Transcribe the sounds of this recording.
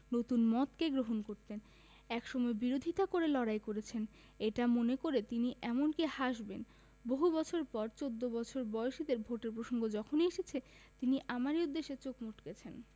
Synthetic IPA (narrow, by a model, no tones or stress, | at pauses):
not̪unmɔt̪keɡɾoɦonkoɾt̪en | ɛkʃɔmɔebiɾod̪ʱit̪akoɾelɔɾajkoɾet͡ɕʰen | eʈamonekoɾet̪iniʔɛmonkehaʃben | boɦubɔt͡ɕʰoɾpɔɾt͡ɕod̪ːobɔt͡ɕʰoɾbɔjoʃid̪eɾbʱoʈeɾpɾoʃoŋɡod͡ʑɔkʰonieʃet͡ɕʰe | t̪iniʔamaɾiod̪ːeʃet͡ɕokmoʈket͡ɕʰen